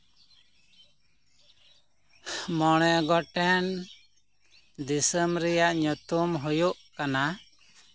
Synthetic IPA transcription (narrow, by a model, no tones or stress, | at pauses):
mɔɽ̃ɛɡɔʈɛn | d̪isəmɾɛjaʔɲut̪umɦɔjuʔkana